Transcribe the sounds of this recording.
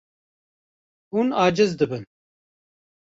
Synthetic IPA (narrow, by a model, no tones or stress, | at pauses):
hunɑːd͡ʒɨzd̪ɨbɨn